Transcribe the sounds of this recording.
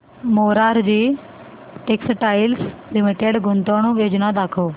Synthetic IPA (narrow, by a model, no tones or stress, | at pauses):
moːɾaːɾd͡ʒiː | ʈeːksʈaːɪlslɪmɪʈeːɖɡʊnt̪õːnũːʋeːd͡ʒnãd̪aːkʰoː